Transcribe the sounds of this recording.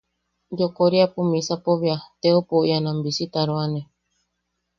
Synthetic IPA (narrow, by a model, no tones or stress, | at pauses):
d͡ʒokoɾiapumĩsapoβiat̪eopoianãmbisit̪aɾoanẽ